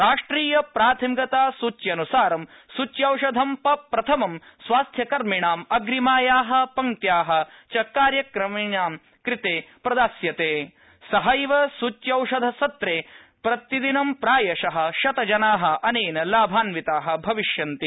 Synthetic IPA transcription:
ɾaːʂʈɾiːjɐpɾaːt̪ʰɐmiɡɐt̪aːsut͡ʃjɐnusaːɾɐm | sut͡ʃjɐwʂɐd̪ʱɐmpɐpɾɐt̪ʰɐmɐm | sʋaːst̪ʰjɐkɐɾmiɳaːmɐɡɾimaːjaːɦɐ̆pɐŋt̪jaːɦɐ̆t͡ʃɐkːaːɾjɐkɾɐmiɳaːm | kɾit̪eːpɾɐd̪aːsjɐt̪eː | sɐɦɐjʋɐsut͡ʃjɐwʂɐd̪ʱɐsɐt̪ɾeː | pɾɐt̪id̪inɐmpɾaːjɐʃɐɦɐ̆ʃɐt̪ɐd͡ʒɐnaːɦɐ̆ʔɐneːnɐlaːbʱaːnʋit̪aːɦɐ̆bʱɐʋiʃjɐnt̪i

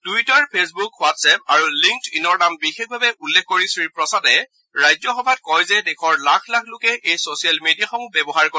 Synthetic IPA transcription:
tuitaɹpʰesbukwatsɛpaɹuliŋk̚tinɔɹnambixek̚ʰbʱabɛʔulːekʰkoɹisɹipɹɔsatɛ | ɹajzjɔxɔbʱat̚kɔjzɛdɛkʰɔɹlakʰlakʰlokɛʔejsosijalmedijaxɔmubɛbɔɦaɹko

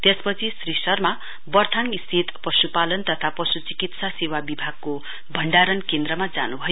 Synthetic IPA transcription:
t̪espʌt͡sʰisrisʌrma | bʌrt̪ʰaŋist̪ʰit̪pʌsupalʌnt̪ʌt̪ʰapʌsut͡sikit̪sasewabibʱaɡ̚ko | bʱʌɳɖaɾʌnkend̪rʌmad͡za̰nubʱʌjo

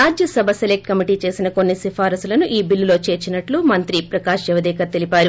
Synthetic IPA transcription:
aːd͡ʒjɐsɐbʱɐselek̚ʈkɐmiʈiːt͡ʃe̞ːsinɐko̞nːisifʰaːɾɐsulɐnuʔiːbilːulo̞ːt͡ʃe̞ːɾt͡ʃinɐʈlumɐnt̪ɾipɾɐkaːʃjɛʋɐd̪ɛːkɐt̪elipaːɾu

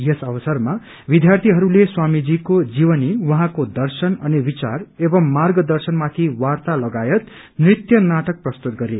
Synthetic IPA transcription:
jesʌbʌsʌrma | bid̪jart̪ʰiɦʌɾuleswamid͡zikod͡ziwʌniwʌɦãkod̪ʌrsʌnʌnibit͡sarebʌmːarɡʌd̪ʌrsʌnmat̪ʰiwart̪alʌɡajʌt̪ | nrit̪jʌnaʈʌk̚prʌst̪ut̪̚ɡʌɾe

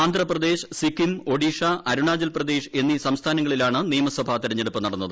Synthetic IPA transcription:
aːnd̪ʱrɐprɐd̪e̞ːʂsikːimo̞ɽiʂaɐɾuɳaːd͡ʑɐlprɐd̪e̞ːʂe̞nːisɐmst̪ʰaːnɐŋːɐɭilaːɳɨnijɐmɐswɐbʱaːt̪iɾɐɲːe̞ɽupːɨnɐɽɐnːɐðɨ

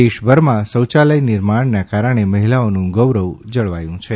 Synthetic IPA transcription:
eʃbʱəɾmãsəwt͡ʃaləjnɪɾmaɳnakaɾəɳ̃eməɦilaonũɡəʋɾəʋd͡ʒəɭʋajũt͡ʃʰe

